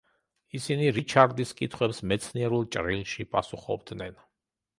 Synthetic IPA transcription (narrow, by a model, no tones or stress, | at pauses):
isiniɾit͡ʃʰaɾd̪iskʼit̪ʰχwɛpsmɛt̪sʰniɛɾulˠt͡ʃʼɾilˠʃipʼasuχɔ̰bd̪nɛn